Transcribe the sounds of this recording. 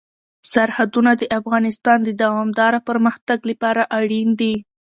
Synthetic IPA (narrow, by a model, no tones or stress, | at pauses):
saɾhad̪unad̪əʔafɣɑnɪst̪ɑnd̪əd̪awɑmd̪ɑɾapəɾməxt̪aɡləpɑɾaʔaɽind̪i